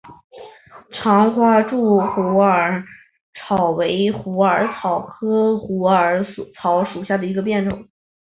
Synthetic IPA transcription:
ʈ͡ʂʰɑ˧˥ŋxwa˥ʈ͡ʂu˥˩xu˧˥ə˞˨˧˩ | ʈ͡ʂʰɑ˨˩ʊwe˧˥ɪxu˧˥ə˞˧˥t͡sʰɑ˨˩ʊkʰɤ˥xu˧˥ə˞˧˥st͡sʰɑ˧˥ʊʂu˨˩ɕja˥˩d̪ə˩i˧˥ɡə˧p̬jɛ˥˧nʈ͡ʂʊ̰˥˩˦ŋ

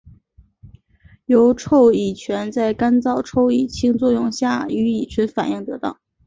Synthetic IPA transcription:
jo˧˥ʊʈ͡ʂʰo˥˩ʊi˨˩t͡ɕʰɥɛ˧˥nt͡sa˥˩ɪka˥nt͡sɑ˥˩ʊʈ͡ʂʰo˥˩ʊi˨˩t͡ɕʰi˥˧ŋt͡swɔ˥˧jʊ˥˧ŋɕja˥˩y˧˥i˨˩t͡ɕʰɥɛ˧˥nfa̰˨˩ni˥˩ŋt̪ɤ˧˥t̪ɑ̰˥˩ʊ

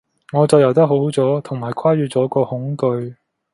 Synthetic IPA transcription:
ŋɔː˨˧t͡sɐ˨wjɐ˨˩wt̪ɐ˥ɦo˨˥wt͡sɔː˨˥t̪ʰʊ˨˩ŋmaː˨˩jkʰaː˥ɥyː˨˧t͡sɔː˨˥kɔː˧hʊ˨˥ŋkɵ˧ɥ

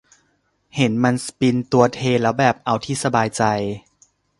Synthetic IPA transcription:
he˩˦nma˧nspi˧nt̪u˧ɐt̪ʰeː˧lɛː˦˥wbɛː˨˩p̚ʔa˧wt̪ʰiː˥˩sa˧baː˧jt͡ɕa˧j

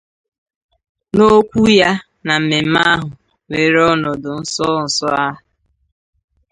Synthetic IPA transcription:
no˦kʷu˦ja˦ | na˨m̩˨me˨m̩˦ma˦ɦʊ˨ | me˨ɾɔ˦nɔ˨dʊ˨n̩˦sɔ˦n̩˨sɔ˦a˦ɦʊ˨

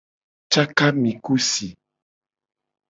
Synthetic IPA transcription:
t͡ʃa˦ka˦mĩ˨ku˦si˨

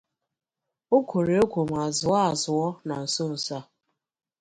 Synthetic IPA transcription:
o˦kʰʷo˨ɾe˨o˦kʷo˨m˨a˨zʊ˨a˦a˨zʊ˨ɔ˦na˨n̩˨so˦n̩˨sa˦

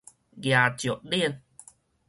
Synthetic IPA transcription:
ɡja˨t͡ɕjo˨˩ʔ̚li˥˩ən

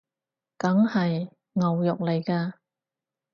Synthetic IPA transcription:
kɐ˨˥ŋhɐ˨j | ŋɐ˨wjʊ˨k̚le˨jkaː˧

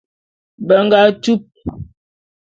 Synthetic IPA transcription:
bə˨˦ŋ˦ɡa˦tu˦p̚

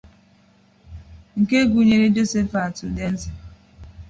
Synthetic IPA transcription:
ŋ̩˨ke˦ɡu˨ɲe˨ɾe˦d͡ʒo˦se˦fa˨tu˨de˦n̩˦ti˨

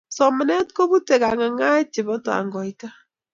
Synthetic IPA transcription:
sɔ˨mɛ˨nɛ˦t̚ko˦βu˦te˨ka˨ŋa˨ŋa˦t͡ʃɪ˨bɔ˦ta̰˨ŋɡɔ˨ita˦

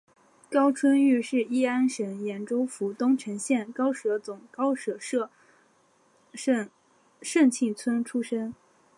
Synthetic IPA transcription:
kɑ˥ʊt͡sʰwə˥ny˥˧ʂɻ̩˥˩i˥a˥nʂə˧˥njɛ˧˥nʈ͡ʂo˥ʊfu˧˥t̪ʊ˥ŋʈ͡ʂʰɤ˧˥ŋɕjɛ˥˩nkɑ˥ʊʂɤ˧˥t͡sʊ˨˩ŋkɑ˥ʊʂɤ˨˩ʂ | ʂə˥˧ŋt͡ɕʰi˥˩t͡sʰwə˥nʈ͡ʂʰu˥ʂə˥n

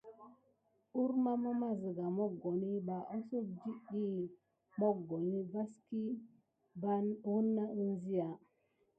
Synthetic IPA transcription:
u˦ɾma˦ma˦ma˦zi˨ɡa˨mo˦ɡo˨ni˦ba˨ʔo˦so˦k̚d͡ʒi˦ɗi˦ | mo˦ɡo˨ni˦ba˦ski˦ | ba˦nwu˦nːa˦i˦n˦zi˦ja˨

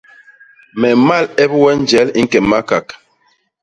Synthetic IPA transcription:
mɛ˨ma˦˨lɛ˦bwɛ˦n˦d͡ʒɛ˨˦li˦ŋ̩˦kɛ˨ma˦ka˨k

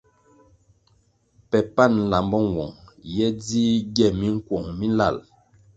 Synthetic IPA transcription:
pɛ˨pa˦˨n˨la˨mbɔ˦˨wɔ˨ŋjɛ˦di˦ɡɛ˦˨mi˦ŋ̩˦kwɔ˨ŋmi˦n˦la̰˦˨l

